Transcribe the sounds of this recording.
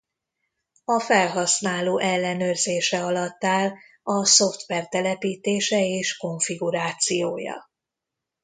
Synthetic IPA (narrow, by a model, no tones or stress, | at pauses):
ɒfɛlɦɒsnaːloːʔɛlːɛnøːrzeːʃɛɒlɒt̪ːaːl | ɒso̞ft̪ʋɛrt̪ɛlɛpiːt̪eːʃɛeːʃko̞ɱfiɡuɾaːt̪sijoːjɒ̰